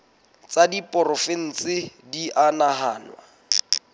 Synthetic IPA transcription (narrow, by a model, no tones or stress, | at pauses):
t͡sadipʼʊrʊfɪn̩t͡sɪdiʔanaɦaːnwa̰